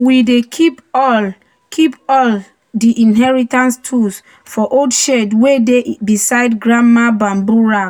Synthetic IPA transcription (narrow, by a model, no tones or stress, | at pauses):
widekʰipɔl | kʰipɔl | diʔĩnɦɛɹitãnstʰus | fɔʔodʃedwedebisaɪdɡɹãmmmabãmbuɹa